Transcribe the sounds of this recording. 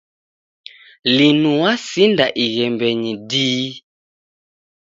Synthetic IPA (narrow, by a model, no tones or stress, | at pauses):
linuwasindaʔiɣɛmbɛɲidiː